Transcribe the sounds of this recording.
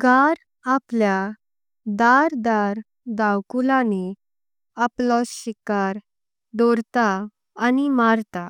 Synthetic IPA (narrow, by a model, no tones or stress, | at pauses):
ɡaɾ | aplja | d̪aɾd̪aɾ | d̪awkulani | aplɔsɕikaɾ | d̪ɔɾt̪aː | nimaɾt̪a